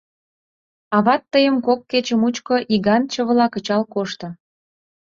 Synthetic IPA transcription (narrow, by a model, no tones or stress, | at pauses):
ɑβɑt̪ːəjəmkokːet͡ɕəmut͡ɕkoʔiɣɑnt͡ɕə̆βlɑkə̆t͡ɕɑlkoʃt̪ŏ